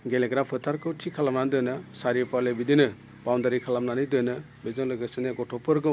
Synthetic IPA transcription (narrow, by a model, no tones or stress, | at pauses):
ɡeleɡɾapʰɯt̪ʰaɾkʰɯwʈʰikʰːalamnand̪ɯnɯsaɾipalebid̪inɯ | bawnd̪aɾikʰalamnanɯjd̪ɯnɯ | bezɔlɯɡɯsineɡɔʈʰɔpɯɾɡɯ